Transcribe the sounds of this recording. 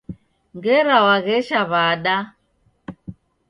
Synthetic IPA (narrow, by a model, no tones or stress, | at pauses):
ŋɡɛɾawaɣɛʃaβaɗa